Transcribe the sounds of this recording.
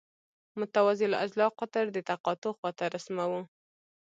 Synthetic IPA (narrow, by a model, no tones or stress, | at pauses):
mʊt̪awɑzɪla̰zlɑqat̪əɾd̪ət̪aqɑt̪oxwɑt̪aɾasmawu